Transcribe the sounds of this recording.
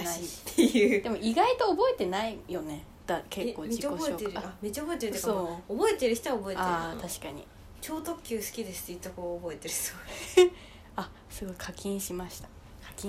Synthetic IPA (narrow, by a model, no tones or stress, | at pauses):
naiːejɯd̪emo̞iɡait̪o̞ːbo̞e̞t̪e̞naijo̞ne̞ | d̪̥akekkːo̞ːikooeoeɾɯaamet͡ɕːaoboet̪eɾt̪ːakoːobo̞et̪e̞ɾɯ̟çi̥t̪oaobo̞eteaet̪aɕi̥kaɲ̟ḭ | t͡ɕo̞ːt̪o̞kʲːɨːsɨ̥kʲid̪e̞sɨ̥t̪eit̪okoːbo̞et̪e̞ɾɯso | a | sɨɡo̞ikʰakʲĩɰ̃ɕimaɕi̥t̪ḁ | kʰakʲĩ